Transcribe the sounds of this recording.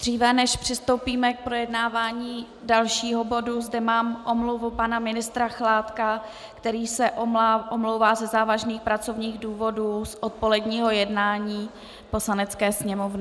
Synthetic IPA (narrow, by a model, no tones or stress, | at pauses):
d̪r̝iːvɛnɛʃpr̝̥ɪst̪o̞wpiːmɛk̚pɾo̞jɛdnaːvaːɲiː | dalʃiːɦo̞bo̞duzdɛmaːmʔomluvupanamɪnɪst̪ɾaxlaːt̪ka | kt̪ɛɾiːsɛʔoʔomlowvaːzɛzaːvaʒniːxpɾat͡so̞vɲiːɣduːvo̞duːsʔot̪̚po̞lɛdɲiːɦo̞jɛdnaːɲiː | po̞slanɛt͡skɛːsɲɛmovnɪ